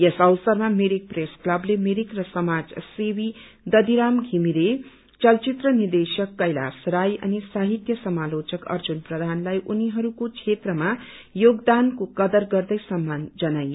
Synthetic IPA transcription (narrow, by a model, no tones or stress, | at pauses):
jesʌwsʌrmameɾik̚presklʌblemeɾikrʌsʌmad͡zsewi | d̪ʌd̪iɾamɡʱimile | t͡sʌlt͡sit̪rʌnird̪esjʌkːʌjla̰srajʌ̰nisaɦit̪jʌsʌmalot͡ʃʌkʌ̰rd͡zunprʌd̪ʱanlajʔuniɦʌɾukot͡ʃʰet̪rʌma | joɡd̪ankokʌd̪ʌrɡʌrd̪ʌjsʌmːand͡zʌnajo